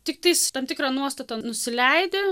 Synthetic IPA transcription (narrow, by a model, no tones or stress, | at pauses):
t̪ʲɪk̚t̪ɐɪst̪ɐmt̪ʲɪkɾɑːnuɔst̪ɐt̪ɐnʊsʲɪlʲɛɪd̪ʲe